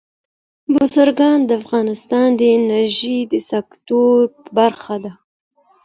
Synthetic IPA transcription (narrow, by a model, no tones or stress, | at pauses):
bʊzəɾɡɑnd̪əafɣɑnɪst̪ɑnd̪əɪnaɾʒid̪əsakt̪oɾpəbaɾxad̪a